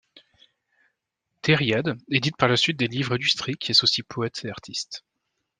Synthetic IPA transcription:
t̪eʁjad̪ed̪it̪̚paʁlasɥit̪̚d̪elivʁãd̪yst̪χikʲiɛsosipʰɔɛt̪eaʁt̪ʰist̪

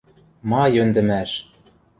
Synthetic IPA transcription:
mɑjønd̪ɘ̆mæʃ

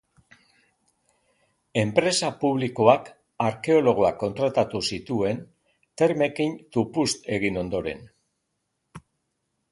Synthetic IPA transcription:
e̞mpɾe̞sapuβ̞liko̞ak | aɾke̞o̞lo̞ɣ̞o̞akːo̞nt̪ɾat̪at̪usit̪ue̞n | t̪e̞ɾme̞kint̪upust̪e̞ɣ̞ino̞nd̪o̞ɾe̞̰n

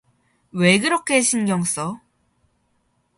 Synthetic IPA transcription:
we̞ɡɯɾʌkʰe̞ɕʰinɡjʌŋs͈ʌ

